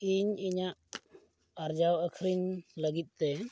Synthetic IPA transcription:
iɲiɲaʔ | aɾd͡ʒawəkʰɾiɲləɡit̪̚t̪ɛ

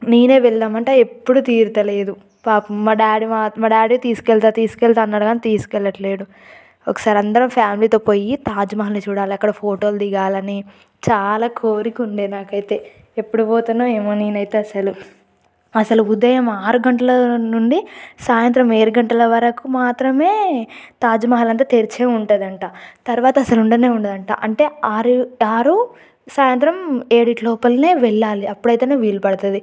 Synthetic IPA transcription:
neːne̞ːʋɛɭːaːmɐɳʈeːepːuɽut̪iːɾut̪ɐle̞ːd̪u | paːpumɐɖaːɽimamɐɖaːɽit̪iːsu̥kɛɭt̪at̪iːsu̥kɛɭt̪aːnːaːɽɐɡaːnit̪iːsu̥kɛɭːɐʈɐle̞ːɽu | ɔkɐ̥saːɾɐnd̪ɐɾɐmpʰjaːmiliːt̪o̞ːpo̞ːjit̪aːd͡ʒɐmɐɦɐlnit͡ʃuːɽaːliɐkːɐɽɐpʰoːʈo̞ːld̪iɡaːlɐni | t͡ʃaːlaːkʰoːɾikuɳɖeːnaːkɐjit̪e̞ː | epːuɽuboːt̪unːaːeːmoːniːnɐjit̪eːɐsɐlu | ɐsɐluːd̪ɐjɐmaːɾuɡɐɳʈɐlɐnuɳɖisaːjɐnt̪ɾɐmeːɾuɡɐɳʈɐlɐʋɐɾɐkumaːt̪ɾɐme̞ːt̪aːd͡ʒumɐɦɐlɐnt̪̬ɐt̪eɾit͡ʃeːuɳʈɐd̪ɐɳʈaːt̪ɐɾʋaːt̪ɐːsɐluɳɖɐne̞ːuɳɖed̪ɐɳʈa̰ːʔɐɳʈe̞ːaːɾiaːɾu | saːjɐnt̪ɾɐmeːɽiʈlɔːpɐlne̞ːʋɛɭːaːliɐpːuɽɐjt̪eːneːʋiːlupɐɽɐt̪ɐd̪i

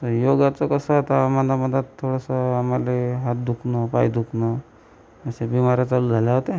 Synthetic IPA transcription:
t̪əjoɡat͡səkəsəɦot̪amadaməd̪ət̪t̪ʰːoɽəsəamaleɦat̪̚d̪ukʰnəpa̰jd̪ʱukʰnɔ | əsebimaɾjat͡saluːd͡zʱaljaɦot̪e

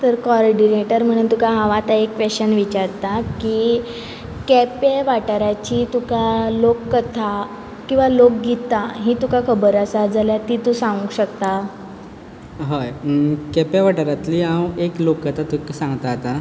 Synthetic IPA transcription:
t̪əɾkɔɾɖineʈəɾm̤əɽ̃unt̪ukaɦãʋat̪aekːʋeɕənʋit͡ɕaɾt̪aki | kɛpeʋaʈəɾat͡ɕiːt̪ukalokːət̪ʰa | kĩw̃ʋalok̚ɡit̪ːaɦĩt̪ukakʰəbəɾəsad͡zaljat̪it̪usãŋɡũɕəkt̪a | ɦəjkɛpeʋaʈəɾat̪liːɦãweklokːət̪ʰat̪uksãŋɡt̪aːt̪a

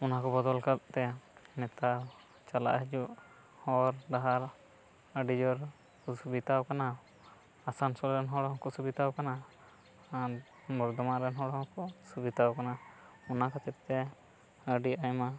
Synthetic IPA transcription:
ɔnakɔbɔd̪ɔlkat̪̚t̪ɛmɛt̪a | t͡ʃala̰ʔɦɛd͡ʒuʔ | hɔɾd̪aɦaɾ | əɖid͡ʒɔɾ | kɔsubit̪awkana | asansɔlɾɛnɦɔɽɔkɔsubit̪awkanaː | ɾ | mɔɾd̪ɔmaɾɛnɦɔɽɔkɔsubit̪awkana | ɔnakat͡ʃɛt̪ːɛ | əɖiajma

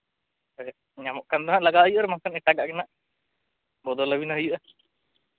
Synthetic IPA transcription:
ɲamɔʔkand̪ɔɦaʔlaɡaʔɦəjuʔaɾmakanɛʈaɡaʔkɛnaʔ | bɔd̪ɔləbinaɦəjuʔa

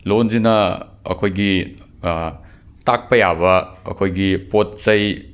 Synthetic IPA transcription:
lonzinɐ | ɐ̰kʰojɡi | tak̚pɐjabɐɐ̰kʰojɡipot̚sɐj

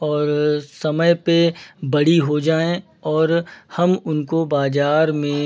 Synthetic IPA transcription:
ɔːɾsɐməjpebɐɽiɦod͡ʒaːẽ | ɔːɾhɐmʊnkobaːzaːɾmẽ

